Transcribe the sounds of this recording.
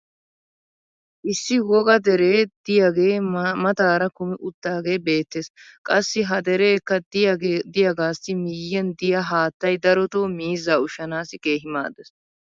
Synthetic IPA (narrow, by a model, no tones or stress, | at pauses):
ʔɪsːɪwɔɡɐd̪ɛɾeːd̪ɪjɐɡe̞ːmɐt̪aːɾɐkʊmɪʔʊt̪ːaːɡe̞ːbe̞ːt̪ːeskʼɐsːɪɦɐd̪ɛɾeːkːɐd̪ɪjɐd̪ɪjɐɡaːsːɪmɪjːɛnd̪ɪjɐɦaːt̪ːɐjd̪ɐɾɔt̪oːmiːzːaːʊʃɐnaːsɪkʼe̞ːɦɪma̰ːd̪ɛs